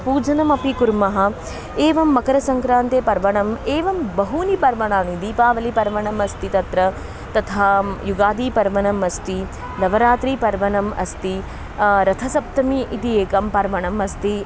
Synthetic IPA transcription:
puːd͡ʒɐnɐmɐpikuɾmɐɦɐ̆ | eːʋɐmːɐkɐɾɐsɐŋkɾãːnt̪epɐɾʋɐɳɐmeːʋɐmbɐɦunipɐɾʋɐɳ̃aːnid̪iːpaːʋɐlipɐɾʋɐɳɐmɐst̪it̪ɐt̪ɾɐ | t̪ɐt̪ʰaːjuɡaːd̪iːpɐɾʋɐnɐmɐst̪i | nɐʋɐɾaːt̪ɾiːpɐɾʋɐɳɐmɐ̰st̪i | ɾɐt̪ʰɐsɐp̚t̪ɐmiʔit̪ieːkɐmpɐɾʋɐɳɐmɐst̪i

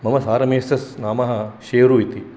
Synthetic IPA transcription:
mɐmɐsaːɾɐmeːsɐsnaːmɐɦɐ̆ʃeːɾuit̪i

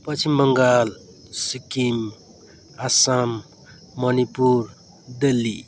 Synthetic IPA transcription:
pʌt͡sʰimbʌŋɡal | sikim | asamː | ʌnipuɾ | d̪elːi

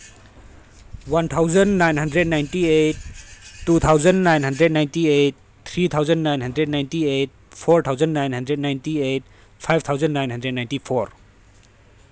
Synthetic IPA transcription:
want̪ʰawzənnajnɦandɾednajntiejt̚ː | ut̪ʰawzənnajnɦandɾed̚najntiet̚ | t̪ʰɾit̪ʰawzənnajnɦandɾed̚najntiejt̚pʰɔɾt̪ʰawzəndnajnɦandɾednajntiet̚ | pʰajb̚t̪ʰawzəndnajnɦãndɾednajntipʰoɾ

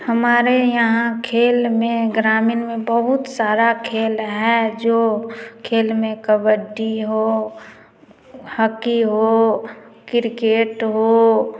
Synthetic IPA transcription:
həmaːɾejɐɦãkʰeːlmẽɡɾaːmɪnmẽbəɦʊt̪saːɾakʰeːlɦɛd͡ʒoːkʰeːlmẽkəbəɖiɦoː | həkiɦoːkɪɾkeːʈɦoː

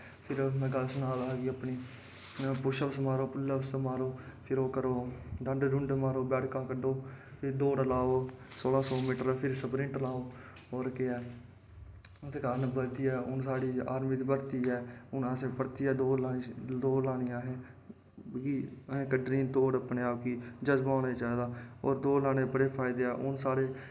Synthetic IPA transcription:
pʰɪɾmɛ̃ːɡəlsənaːlaːɡiəpniː | pʊʃəbsmaːɾoːpʊləʋsmaːɾoː | pʰɪɾoːkəɾoːɖə̃ɳɖɾʊ̃ɳɖmaːɾoːbɛːʈkãːkəɖoːpʰɪɾd̪oːɽəlaːoːsoːlãːsɔːmiːʈəɾpʰɪɾsəbɾɪ̃ːʈəlaːoː | oːɾkɪɛː | t̪eːkaɾnbət̪iːɛːʊnsaːɽiːa̰ːɾmiːd̪iːbəɾt̪iːɦɛːʊnãːsẽːpəɾt̪iːɛːd̪oːlaːid̪oːlaːnijãːɦẽː | iːəɦẽːkəɖɾiːt̪oːɽəpneaːkiːd͡ʒəzbaːneːt͡ʃaːd̪aːɔ̰ːɾd̪oːlaːɽ̃eːpəɽeːpʰaːɪd̪eːɛːʔʊnsaːɽeː

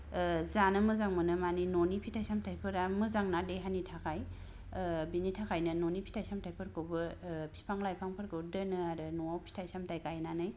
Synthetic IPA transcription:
zanɯmɯzaŋmɯnɯmaninonipʰitʰajsamtʰajpʰɯɾamɯzaŋnadeɦanitʰakʰaj | binitʰakʰajnɯnonipʰi̥tʰajsamtʰajpʰɯɾkʰɯwbɯpʰi̥pʰaŋlajpʰaŋpʰɯɾkɯwdɯnɯaɾɯnɔawpʰi̥tʰajsamtajkajnanɯj

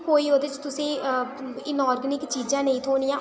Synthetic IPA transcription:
koːiːoːd̪eːt͡ʃt̪ʊsẽː | ɪnɔːɾɡənɪkt͡ʃiːd͡ʒãːnə̃ĩːt̪ʰoːnijãː

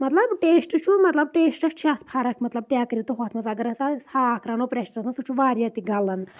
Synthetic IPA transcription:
mɐt̪lɐbʈeːsʈɨt͡ʃʰumɐt̪lɐb̚ʈeːsʈɐst͡ʃʰɐt̪ʰpʰaɾɐkʰmɐt̪lɐb̚ʈjaːkɾit̪uɦot̪ʰmɐt͡saːɡɐɾɐt͡sasʰaːkʰɾɐnopɾesʈɐt̪nɐsut͡ʃʰuʋaːɾjat̪iɡɐlɐn

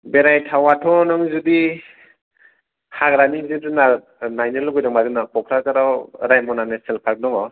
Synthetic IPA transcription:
beɾajtʰawatʰɔnɔŋzudi | hakɾaniz̚dɯna | najnɯlɔɡɔjdɔŋmadɯnakʰɔkʰɾazaɾawɾajmɔnaneselpʰak̚dɔŋɔ

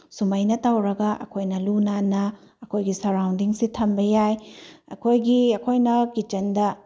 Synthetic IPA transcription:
sumɐjnɐtawɾɐɡɐʔɐ̰kʰojnɐlunanɐ | ɐkʰojɡisɐɾawndiŋsitʰɐmbɐjajɐ̰kʰojɡiɐkʰojnɐkit͡ʃɐndɐ

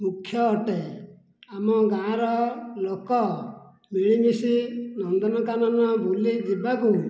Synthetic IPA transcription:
mukʰjɔːʈe | amɔɡãɾɔlokɔ | miɭ̃imisinɔnd̪ɔnɔkanɔnɔbʱulid͡ʒibaku

